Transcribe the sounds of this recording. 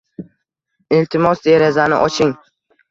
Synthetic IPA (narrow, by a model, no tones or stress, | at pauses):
ɪlt̪ʰɪmɒsd̪eɾazanɪ̰ʔɒt͡ʃʰɪŋ